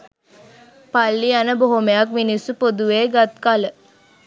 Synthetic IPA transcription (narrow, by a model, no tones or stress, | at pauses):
palːianəboɦomejakminisupod̪uʋeːɡat̪̚kalə